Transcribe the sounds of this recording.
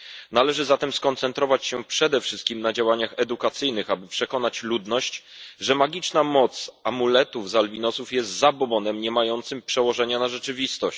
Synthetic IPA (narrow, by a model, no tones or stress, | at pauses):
nalɛʐɘzat̪ɛmskɔnt̪sɛnt̪ɾɔvat͡ɕɕɛpʂɛd̪ɛfʂɘst̪̚kʲimnad͡ʑawaɲaxɛd̪ukat̪sɘjnɘxabɘpʂɛkɔnat͡ɕlud̪nɔɕt͡ɕʐɛmaɡʲit͡ʂnamɔt̪samulɛt̪uvzalvʲinɔsufjɛst̪zabɔbɔnɛmɲɛmajɔnt̪sɘmpʂɛwɔʐɛɲanaʐɛt͡ʂɘvʲist̪ɔɕ